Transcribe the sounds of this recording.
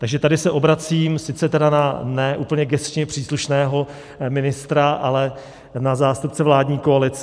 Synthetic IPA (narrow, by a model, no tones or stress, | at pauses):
t̪aɡʒɛt̪adɪsɛʔo̞bɾat͡siːmsɪt͡sɛt̪ɛdananɛʔuːpl̩ɲɛɡɛst͡ʃɲɛpr̝̥iːsluʃnɛːɦo̞ | mɪnɪst̪ɾaʔalɛ | nazaːst̪upt͡sɛvlaːdɲiːkoalɪt͡s